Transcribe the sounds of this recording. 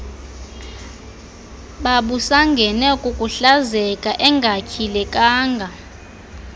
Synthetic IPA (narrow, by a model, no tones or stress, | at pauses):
ɓaɓusaŋɡʱɛnɛkʼukʼuɬazɛkʼaʔɛŋɡʱakʰilɛkʼaːŋɡʱa